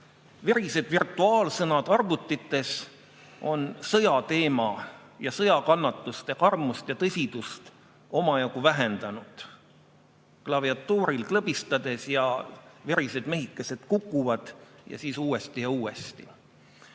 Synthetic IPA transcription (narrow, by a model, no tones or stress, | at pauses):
veɾise̞d̪virt̪ːˑuɑːlsɤnɑd̪̥ɑrvut̪ːˑit̪ːˑe̞s | o̞nsɤjɑt̪e̞ːmɑ | jɑsɤjɑkɑnːɑt̪ːˑust̪ekɑrmust̪jɑt̪ɤsʲid̪̥ust̪ | o̞mɑjɑkuvæɦe̞nd̪̥ɑnud̪̥ | klɑviɑt̪ːuːɾilklɤbist̪ɑd̪̥e̞sjɑveɾise̞d̪me̞ɦikːˑese̞d̪̥kukːˑuvɑd̪̥jɑ̰siːsuːe̞st̪ijɑuːe̞st̪i